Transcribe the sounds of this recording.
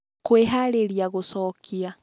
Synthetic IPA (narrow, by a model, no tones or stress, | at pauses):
kweɦaɾeɾjaɣusɔkʰia